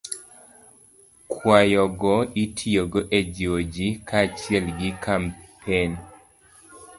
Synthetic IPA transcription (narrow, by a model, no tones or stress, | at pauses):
kʰwajɔɡɔitʰioɡɔʔed͡ʒod͡ʒikʰat͡ʃiɛlɡikʰampʰen